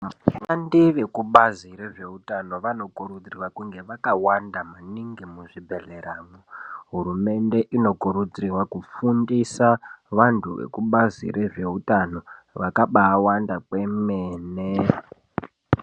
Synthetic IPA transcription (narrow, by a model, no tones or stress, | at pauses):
andiʋe̞kuɓaziɾe̞ʐe̞ɦutano̞ʋano̞kuɾud͡zirwakuŋɡe̞ʋakawandamaniŋɡimuʐibʱe̞ɮeɾaːmoɦuɾume̞nde̞ʔino̞kuɾud͡zrirwakufundisaʋantʰuʋḛkuɓazḭɾe̞ʐe̞ɦutano̞ | ʋakaɓaːwandake̞meːne